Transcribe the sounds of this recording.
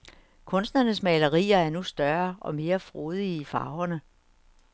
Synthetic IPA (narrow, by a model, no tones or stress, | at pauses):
kʰɔ̽nsd̥nɐnəsmɛɪlɐʁḭːɐæɐnusd̥ɶɐʔɒ̽me̝ːɐfʁoːð̞ˠiːfɑ̈ʊɐnə